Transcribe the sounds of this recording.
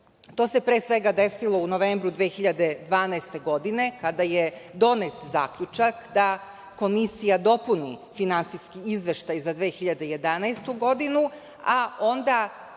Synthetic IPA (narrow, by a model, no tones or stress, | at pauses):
t̪o̞ːse̞pɾe̞ːsʋe̞ɡad̪e̞silˠo̞uno̞ʋe̞ːmbɾud̪ʋeːxiʎad̪e̞d̪ʋaːnast̪e̞ɡo̞d̪ine̞kad̪ajed̪o̞net̪za̰ːkʎut͡ʃakd̪a | ko̞misijad̪o̞punḭfinant̪siskiizʋe̞ʃt̪ajzad̪ʋeːxiʎad̪ejed̪anajst̪uɡo̞d̪inu | ao̞nd̪a